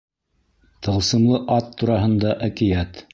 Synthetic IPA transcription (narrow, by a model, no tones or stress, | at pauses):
t̪ɤ̆lˠsɤ̆mlˠɤʔɑt̪ːuɾɑɦɤ̆nd̪ɑʔækĭjæt̪